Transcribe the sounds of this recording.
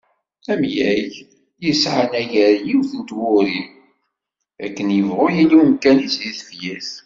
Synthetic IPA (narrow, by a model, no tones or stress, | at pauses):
æmjæʝ | jəsʕanæʝæɾjiwθənt̪wʊɾi | ækːənjəvʁʊjilːiəmkænisðiθfjæθ